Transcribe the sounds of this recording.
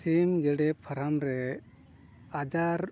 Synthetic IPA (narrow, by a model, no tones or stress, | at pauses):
simɡɛɖɛpʰaɾamɾɛ | ad͡ʒaɾ